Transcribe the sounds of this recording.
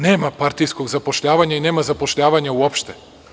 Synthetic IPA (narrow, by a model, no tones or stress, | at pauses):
nɛmapaɾt̪ijskoɡzapoʃʎʲavaɲɛinɛmazapoʃʎʲavaɲauɔpʃt̪ɛ